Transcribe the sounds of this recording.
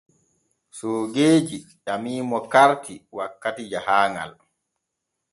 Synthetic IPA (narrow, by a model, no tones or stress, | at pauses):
soːɡeːd͡ʒiɗamiːmɔkaɾtiwakːatid͡ʒahaːŋa̰l